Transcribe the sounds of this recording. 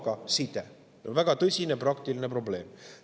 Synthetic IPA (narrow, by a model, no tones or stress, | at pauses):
ɡɑsit̪e | onvæɡ̥ɑt̪ɤsʲineprɑk̚t̪iline̞pro̞ble̞ːm